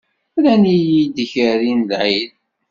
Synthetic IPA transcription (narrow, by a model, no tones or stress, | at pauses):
lænijid̪çəɾinlʕið